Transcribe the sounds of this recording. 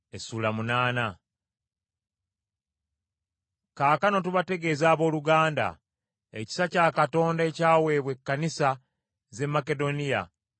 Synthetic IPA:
esuːlamunaːna | kaːkano̞tuβate̞ɡe̞ːzaːβo̞ːluɡaːnda̰ | ḛci̥sacaːkato̞ːndae̞caːwe̞ːβwe̞kːanisa | ze̞mːake̞do̞nija̰

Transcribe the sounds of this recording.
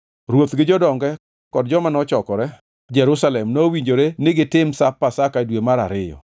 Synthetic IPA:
ɾwot̪ɡɪd͡ʒɔdɔŋɡɛ | kɔd̚d͡ʒɔmanɔt͡ʃɔkɔɾɛ | d͡ʒɛɾʊsalɛmnowiɲd͡ʒoɾenɪɡɪtɪmsapːasakadwemaɾa̰ɾɪjɔ̰

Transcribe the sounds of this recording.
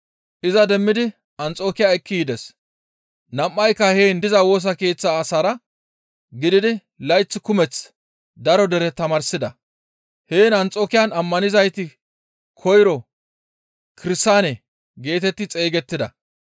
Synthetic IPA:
ʔɪzɐd̪ɛmːɪd̪ɪ | ɐnt͡sʼo̞ːkɪjajkːɪjɪd̪ɛs | nɐmːɐjkːɐheːnd̪ɪzɐwo̞ːs̬ɐke̞ːt͡sːaːsaːɾɐ | ɡɪd̪ɪd̪ɪ | lɐjt͡sːɪkʊmɛt͡s | d̪ɐɾɔd̪ɛɾɛt̪ɐmɐɾsɪd̪ɐ | heːnɐnt͡sʼoːkɪjɐnɐmːɐnɪzɐjt̪ɪ | kʰɔjɾɔ | kɪɾɪst̪ːaːnɛ | ɡe̞ːt̪ɛt̪ːɪt͡sʼe̞ːɡɛt̪ːɪd̪ɐ

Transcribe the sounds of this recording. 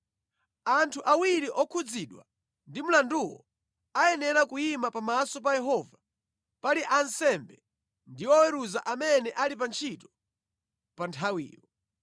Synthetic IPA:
antʰuʔawiɾiʔɔkʰud͡ziɗwa̰ | ndimulanduwɔ̰ | ajɛnɛɾakujimapamasɔp̬ajɛɦɔva | paliʔansɛmbɛ | ndiɔwɛɾuzaʔamɛnɛʔalipant͡ʃʰitɔ̥ | pantʰawḭːlɔ

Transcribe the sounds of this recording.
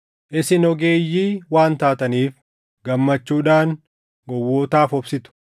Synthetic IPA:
ʔɪsɪnɔɡeːjːiːwaːnt̪aːt̪ɐniːf | ɡɐmːɐt͡ʃːuːᶑaːn | ɡɔwːoːt̪aːfɔbsɪt̪ʊ̥

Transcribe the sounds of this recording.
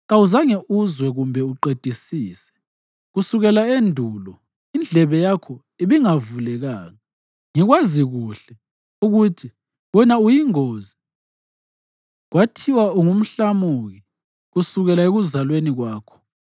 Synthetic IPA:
ɣauzaŋeʔuzwɛɣumbʱɛuǃed̥ʱisiːsɛ̥ | ɣusuɣɛlaendʱuːlɔ | ind͡ɮʱɛβɛjakʰɔ | iβiŋavulɛɣaːŋa | ŋiɣwaziɣuɬɛ | uɣutʰi | wɔnaujiŋoːzi | ɣwatʰiwauŋum̩ɬamuɣi | ɣusuɣɛlaeɣuzalweniɣwaːkʰɔ̥

